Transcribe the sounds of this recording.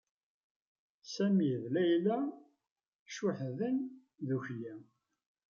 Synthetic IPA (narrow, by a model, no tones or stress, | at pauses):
sæmiðlæjlæ | ʃʊħðən | ðuçjæ